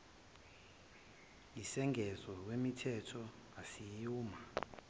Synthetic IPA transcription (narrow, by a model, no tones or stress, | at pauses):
jisɛŋʱɛzɔw̬wemitʰɛtʰɔ | asijuːma